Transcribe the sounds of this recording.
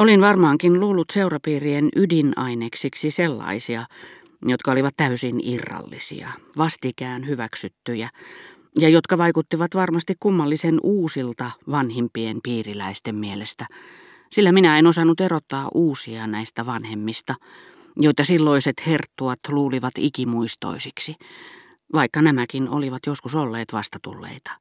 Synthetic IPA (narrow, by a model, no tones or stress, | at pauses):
olinʋɑrmɑːŋkinluːlːut̪seurɑpiːrienʔydinɑineksiksiselːɑ̰isiɑ | jot̪kɑoliʋɑt̪t̪æysinirːɑ̰lːḭsḭɑ̰ʋɑst̪ikæːnhyʋæksyt̪ːyjæ | jɑjot̪kɑʋɑikut̪ːiʋɑt̪ʋɑrmɑst̪ikkumːɑlːisenuːsilt̪ɑʋɑnhimpienpiːrilæist̪emmielest̪æ | silːæminæenosɑnːut̪erot̪ːɑːʔuːsiɑnæist̪æʋɑnhemːist̪ɑ | joit̪ɑsilːoiset̪hert̪ːuɑt̪luːliʋɑt̪ikimuist̪o̰isiksi | ʋɑikːɑnæmækino̰liʋɑt̪joskusolːeːt̪ʋɑst̪ɑt̪ṵlːḛit̪ɑ̥